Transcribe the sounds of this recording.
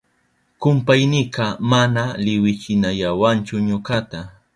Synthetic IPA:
kʊmpajnɪqɑmanalɪwɪt͡ʃɪnaʎawant͡ʃʊɲokat̪a

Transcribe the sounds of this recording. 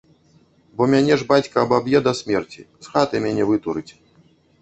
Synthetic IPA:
bɔmʲanʲɛʐbat͡sʲkɐːbabjɛd̪ɐsʲmʲɛrt͡sʲḭzɣat̪ɨmʲanʲɛvɨt̪uɾɨt͡sʲ

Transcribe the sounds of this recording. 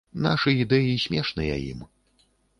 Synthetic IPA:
na̰ʂɨid̪ɛjisʲmʲɛʂnɨjɐ̰jḭm

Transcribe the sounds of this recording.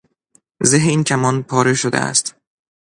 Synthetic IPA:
zeɦeiːncʰæmɒːnpʰɒːɾeʃod̪ḛæ̰st̪

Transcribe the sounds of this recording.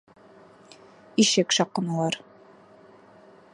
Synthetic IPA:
iʃɘkʃɑqːɤ̆nɑlˠɑɾ

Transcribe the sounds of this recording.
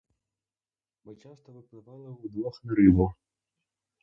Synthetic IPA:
mɨt͡ʃast̪ɐvɨklˠɨvajɐud̪vɔxmʲiɾɨd̪ɐw

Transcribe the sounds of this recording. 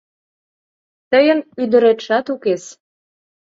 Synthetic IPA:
t̪ə̆jə̆nyd̪ə̆ɾet̪ʃɑt̪ukes

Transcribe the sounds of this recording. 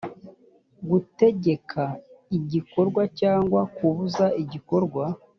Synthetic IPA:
ɡute̞ɟe̞kʰaiɟiko̞ɾɡwacaːŋɡwakuβuzaiɟiko̞ɾɡwa

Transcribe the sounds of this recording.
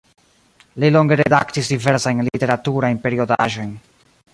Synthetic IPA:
lilo̞ŋɡe̞ɾedaktisdive̞ɾsajnlite̞ɾatuɾajnpe̞ɾio̞da̰ʒo̞jn

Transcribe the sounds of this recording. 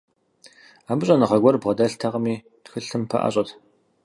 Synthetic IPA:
aːmɨɕʼɐnɐʁɐɡʷɐrbʁɐdɐɬtʰɐʁɐmiː | txɨɬɨmpʰɐ̰ʔa̰ɕʼɐtʰ

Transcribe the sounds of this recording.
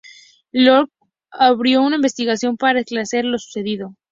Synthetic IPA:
loɾk | aβɾjo̞unaimbe̞st̪iɣasjo̞mpaɾaesklaseɾlo̞su̥se̞ðiðo̞

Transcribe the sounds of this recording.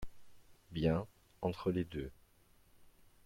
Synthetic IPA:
bjɛ̃ | ɑ̃t̪χəled̪ø

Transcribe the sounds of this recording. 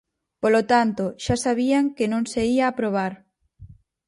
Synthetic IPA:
polot̪ant̪oʃasaβiaŋkɪnõŋseiaːpɾoβ̞aɾ

